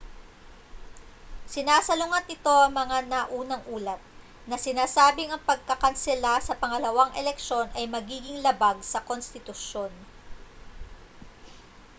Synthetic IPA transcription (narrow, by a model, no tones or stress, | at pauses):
sɪnaːsɐlʊŋɐt̪̚ːɪt̪o̞ʔɐŋmɐŋanaʔuːnɐŋʔuːlɐt̪̚ | nɐsɪnaːsaːbɪŋɐŋpɐɡ̚kɐkɐnsɛlasɐpɐŋɐlɐwaŋʔɛlɛkʃo̞nʔɐjmɐɡiːɡɪŋlɐbaɡ̚sɐkonst̪ɪt̪ʊʃjo̞n